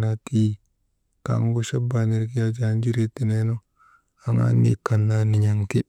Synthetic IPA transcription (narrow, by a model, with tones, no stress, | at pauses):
na˨ti˦ | ka̰˨˦ŋ˦ɡu˦ʃa˦ba˨ni˨ɾki˦a˦d͡ʒi˦a˨n˦d͡ʒi˦ɾi˦ti˨ne˦no˦ | a˨ŋa̰˦nːḭ˨ka˨nːa˦ni˨ɲa˨ŋki˦